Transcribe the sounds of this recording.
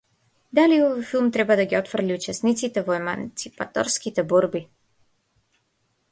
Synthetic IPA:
d̪aliɔvojfilˠmt̪ɾɛbvad̪aɡʲiɔt̪fɾliut͡ʃɛsnit̪sit̪ɛvɔɛma̰nt̪sipa̰t̪ɔ̰ɾskit̪ɛbɔɾbi

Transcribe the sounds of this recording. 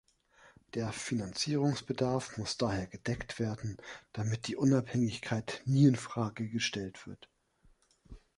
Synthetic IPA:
d̥eːɐfinant͡siːʁ̞ʊŋsb̥ədaɐfmʊsd̥aːheːɐɡəd̥ɛktv̥eːɐdn̩d̥amɪt̚d̥iːʔʊnaphɛŋɪçkʰaɪtniːɪnfʁ̥aːɡəɡəʃtɛltv̥ɪɐt

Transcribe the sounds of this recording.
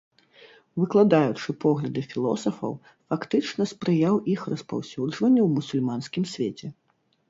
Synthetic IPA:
vɨklˠad̪ajut͡ʂɨpɔɣlʲɐd̪ɨfʲilˠɔ̰sɐfɐ̰w | fakt̪ɨt͡ʂnɐspɾɨjawixrɐspa̰wsʲud͡ʐvɐnʲːɛwmusulʲmanskʲimsʲvʲet͡sʲɛ

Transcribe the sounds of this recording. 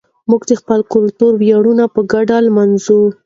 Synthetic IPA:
muɡd̪əxpəlkʊlt̪uɾwjaɽunapəɡaɖalmanzu

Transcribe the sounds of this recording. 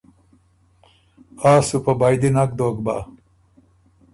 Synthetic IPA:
aːsupɐbajd̪inɐk̚d̪oːkba̰

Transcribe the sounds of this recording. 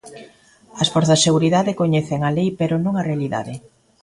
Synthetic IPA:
ɐsfɔɾθɐseɣuɾiðaðɪkoɲɛθeŋalejpeɾonõŋɐrealiða̰ðɪ

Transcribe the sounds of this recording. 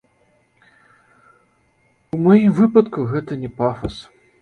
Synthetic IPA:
umɔjimvɨpɐt̪kuɣɛt̪ɐnʲɛpafɐs

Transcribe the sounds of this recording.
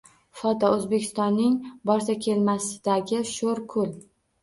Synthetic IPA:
fɒt̪ʰɒɵzbekʲʰɪ̥st̪ɒnːɪŋbɒɾsakʲʰe̞lmasɪd̪aɡʲɪʃoɾkʰʊlˠ

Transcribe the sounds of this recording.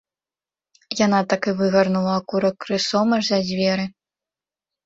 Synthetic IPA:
jan̪at̪akɨvɨɣɐrnulˠɐːkuɾɐkɾɨsɔmɐʐzɐzʲvʲɛɾɨ

